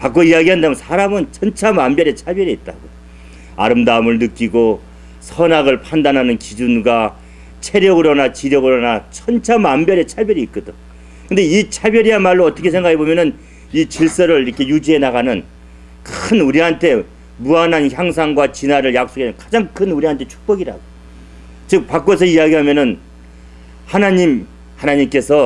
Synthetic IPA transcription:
pak͈oiaɡiɦandamjʌnsʰaɾamɯnt͡ɕʰʌnt͡ɕʰamambjʌɾet͡ɕʰabjʌɾiːt̚t͈aɡo | a̰ɾɯmdaɯmɯɭnɯk͈iɡo | sʰʌnaɡɯɭpʰandanɦanɯnkid͡ʑunɡwa | t͡ɕʰe̞ɾjʌɡɯɾonat͡ɕiɾjʌɡɯɾonat͡ɕʰʌnt͡ɕʰamambjʌɾet͡ɕʰabjʌɾit̚k͈ʌdɯn | kɯnde̞it͡ɕʰabjʌɾianmaɭːoʌt͈ʌkʰe̞sʰe̞ŋɡakʰe̞bomjʌnɯn | it͡ɕiɭs͈ʌɾɯɭiɾʌkʰe̞jud͡ʑiɦe̞naɣanɯn | kɯnuɾiantʰe̞ | muanɦançjaŋs̬ʰaŋɡwat͡ɕinaɾɯɭjak̚s͈oɡenɯnkḁd͡ʑaŋkʰɯnuɾiantʰet͡ɕʰu̥k̚p͈ʌɡiɾa̰ɡo | t͡ɕɯk̚pak͈wosʰʌiaɡiɦamjʌnɯn | hanaɲim | hanaɲimk͈e̞sʰʌ

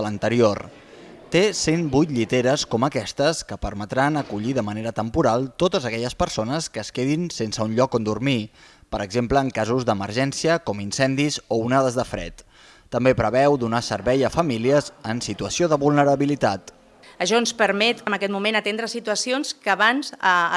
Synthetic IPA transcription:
lənt̪əɾior | t̪esenbujt̪ʎit̪eɾəskɔməkɛst̪əskəpəɾmət̪ɾanəkuʎiðəməneɾət̪əmpuɾalˠt̪ot̪əzəkɛʎəspəɾsonəskəːskeðinsensəunʎɔkond̪urmipəɾəɡzempləːŋkazuzðəməɾʒɛnsiəkɔminsɛnd̪izounaðəzðəfɾɛ̰t̪ː | əmbepɾəβɛwd̪unasəɾβɛjəfəmiliəzənsit̪uəsioðəβulˠnəɾəβilit̪at̪ | əʃɔnspəɾmɛt̪əməkɛt̪mumẽnət̪end̪ɾəsit̪uəsionskəːβanzə

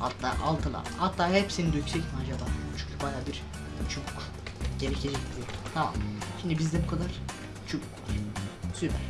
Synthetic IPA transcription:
a̰t̪ːa̰ʔalˠt̪ʰɯlˠa̰hat̪ːaːɦepsinid̪øyc̪ʲsɛcmad͡ʒab̪at͡ʃʰyɲcʰbajaːbiɾ | t͡ʃʰukk | ɟeɾecʰed͡ʒɛc̚bʲilijoɾut̪ʰama̰mʃimd̪ibizd̪ɛbukʰad̪aɾ̥ | t͡ʃʰukklˠa̰ɾsypʰæ̰ɾ

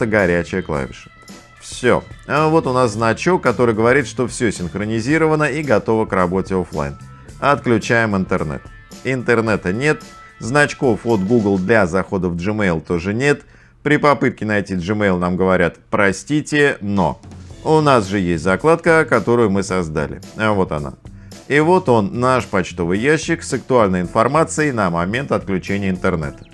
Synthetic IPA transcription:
əɡɐɾʲæt͡ɕɪjəklˠa̰vʲɪ̰ʂɨ̥ | fsʲo̞̰avo̞t̪ʊnasznɐt͡ɕokːɐt̪o̞ɾɨjɡəvɐɾʲit̪ʂt̪o̞fsʲɵsʲɪnxɾənʲɪzʲiɾəvənəiɡɐt̪o̞vəkrɐbo̞tʲɪoflˠa̰jn | ɐt̪klʲʉt͡ɕæjɪmɨnt̪ɨrnɛ̰t̪ | ɪnt̪ɨrnɛt̪ənʲe̞t̪ | znɐt͡ɕko̞fo̞t̪ɡuɡlˠd̪lʲazɐxo̞d̪əvʐɨmejlˠt̪o̞ʐɨnʲe̞t̪ | pɾʲɪpɐpɨt̪̚kʲɪnɐjtʲiʐɨmejlˠnamɡəvɐɾʲat̪pɾɐsʲtʲitʲɪno̞̰ʊnasʐɨjesʲtʲzɐklˠat̪kəkɐt̪o̞ɾʊjʊmɨsɐzd̪a̰lʲɪ̰avo̞t̪ɐna̰ | ivo̞t̪o̞nːaʂpɐt͡ɕt̪o̞vɨjjaɕːɪksək̚t̪ʊalʲnəjɪnfɐrmat̪sɨɪnəmɐmʲe̞nt̪ɐt̪̚klʲʉt͡ɕenʲɪjəɪnt̪ɨrnɛ̰t̪ə̥

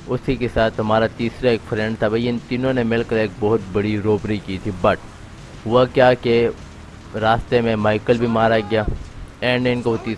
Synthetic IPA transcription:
ʊsikesaːt̪ʰɦɐmaːɾat̪iːsɾaeːkfɾɛ̃ɳɖt̪ʰabɐjənt̪inõnemɪlkəɾeːk̚bɔɦʊt̪bɐɽiɾoːpɾikiːt̪ʰibɐʈ | ɦʊʋakjaːke | ɾaːst̪emẽmaːɪkəlbʱimaːɾaɡɪjaːeːɳɖeːnkoʋot̪iː

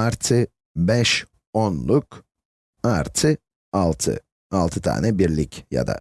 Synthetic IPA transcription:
aɾt̪ʰɯ | bɛʃ | onlˠuk | aɾt̪ʰɯ | alˠt̪ʰɯ̰ | alˠt̪ʰɯt̪ʰa̰ːnɛbiɾlʲicja̰d̪a̰

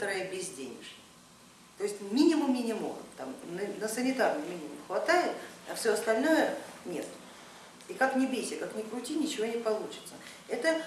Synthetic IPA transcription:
t̪əɾəjəbʲɪzʲdʲenʲɪ̰ʐnʲə | t̪o̞ɪsʲtʲmʲinʲɪmʊmːʲɪnʲɪmo̰l̰t̪amnənəsənʲɪt̪arnɨjmʲinʲɪmʊmxvɐt̪ajɪt̪ɐfsʲoɐst̪ɐlʲno̞jənʲe̞t̪ | ikaknʲɪbʲesʲɪkaknʲɪkɾʊtʲinʲɪt͡ɕɪvo̞nʲɪpɐlˠut͡ɕɪ̥t̪sə | ɛt̪ə

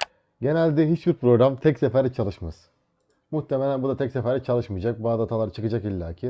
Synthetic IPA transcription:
ɟe̞nælʲd̪ɛɦit͡ʃbiɾpɾo̞ɡɾamt̪ʰɛcsefæɾit͡ʃʰalˠɯʃmaz̥ | muht̪ʰːemelʲænbud̪at̪ɛcsefæɾɛt͡ʃʰalˠɯʃmɯjd͡ʒak̚buad̪at̪ʰalˠaɾɯt͡ʃʰɯkɯd͡ʒakilʲːa̰ːcʰi

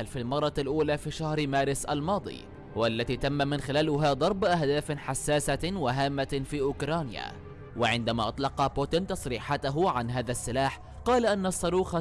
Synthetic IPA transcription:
lfilmɑrˤːɑlʔuːlaːfiːʃahɾmaːɾɪsʔalmɑːd̪ˤḭː | walːat̪iːt̪amːamɪnxɪlaːlʊɦaːd̪ˤɑɾˤbʔahd̪aːfħasːaːsawaɦaːmːafiːʔʊkɾˤɑːnɪja̰ | waʕɪnd̪amaːʔɑt̪ˤlɑqɑbʊːt̪ɪnt̪ɑsˤɾiːħat̪aɦʊʕanɦaːðasːɪlaːħ | qɑːlaʔanːɑsˤːɑɾuːxa

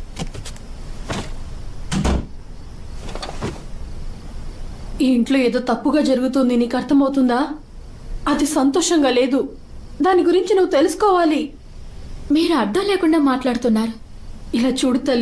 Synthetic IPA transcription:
iːɳʈlo̞ːeːd̪o̞ːt̪ɐpːuɡaːd͡ʒɐɾuɡut̪und̪inikɐɾt̪ʰɐmɐwut̪und̪aː | ɐd̪isɐnt̪ɔːʂɐŋɡaːle̞ːd̪u | d̪aːniɡuɾiɲt͡ʃinuʋːut̪e̞lusu̥kɔːʋaːli | miːɾuɐɖːɐmleːkuɳɖaːmaːʈlaːɽut̪unːaːɾu | ilaːt͡ʃuːɽut̪ɐli

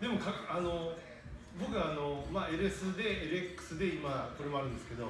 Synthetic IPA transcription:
d̪e̞mo̞kaano̞ | bo̞kɯ̟ɡaːno̞mae̞ɾesɨd̪e̞eɾekːɯ̥sɨd̪e̞imako̞ɾe̞mo̞aɾɯ̟̃nd̪e̞sɨ̥ke̞d̪o̞

